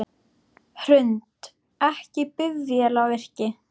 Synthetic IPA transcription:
hɾʏnt̪ | ɛhcɪpʏðjɛlawvɪr̥cɪ

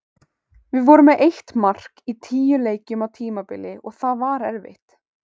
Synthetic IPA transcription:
vɪðvɔɾʏmɛðejht̪mar̥kit̪ʰiːjʏleːjcʏmawt̪ʰiːmapɪlɪʔɔɣθaðvaɾɛɾvɪ̰ht̪

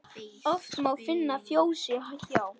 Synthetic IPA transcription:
ɔft̪mawfɪnːafjoːwsɪɦaçaːw

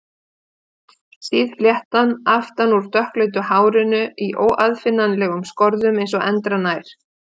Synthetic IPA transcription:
siːðfljɛht̪anaft̪anuɾ̥t̪œhklœːɥt̪̬ʏhaːwɾɪnʏiʔoːwaðfɪnːanlɛɣʏmskɔɾðʏmejnsɔʔɛnt̪ɾanaːjɾ̥

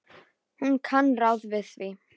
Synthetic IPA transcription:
hunkʰanrawðvɪðvi

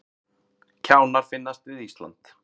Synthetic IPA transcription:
cʰaːwnaɾ̥fɪnːast̪vɪðist̪la̰nt̪

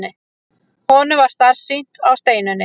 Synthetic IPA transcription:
nɪ | hɔːnʏvaɾ̥st̪aɾ̥sin̥t̪awst̪eːjnʏnːɪ

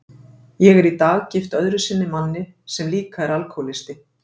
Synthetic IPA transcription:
jɛɣɛɾit̪aːɣcɪft̪œðɾʏsɪnːɪmanːɪ | sɛmliːkaɛɾalkʰowlɪst̪ɪ

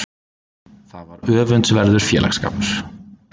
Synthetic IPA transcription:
θaðvaɾœːvʏnt̪svɛɾðʏɾ̥fjɛːla̰xska̰pɾ̥

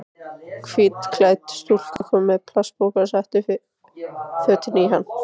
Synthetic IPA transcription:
kʰviːt̪kʰlaːjt̪st̪ul̥kakʏmːɛðpʰl̥aspowkasaht̪ɪ | fœːt̪ɪniɦanː

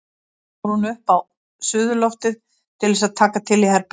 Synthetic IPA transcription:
ɾhunʏhpaw | sʏːðʏlowht̪ɪð | t̪ʰɪlvɛsaðt̪ʰaːkat̪ʰɪlihɛɾp

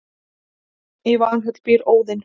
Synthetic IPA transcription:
ɛvanɦɛt̪l̥pɪɾoːwðɪn

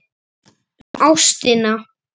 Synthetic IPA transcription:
awst̪ɪna

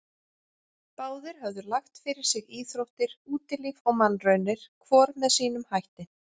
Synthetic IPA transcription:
paːwðɪɾ̥ɦœvðʏɾlaxt̪fɪɾɪɾ̥sɪɣiːθɾowht̪ɪɾ̥uːt̪ɪlivɔɣmanːrœɥnɪɾ̥kʰvɔːɾmɛðsiːnʏmhajht̪ɪ

